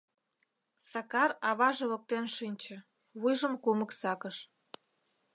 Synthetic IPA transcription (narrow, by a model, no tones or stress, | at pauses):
sɑkɑrɑβɑʒĕβŏk̚t̪enʃinʲt͡ɕə̆ | βujʒəmkuməksɑkəʃ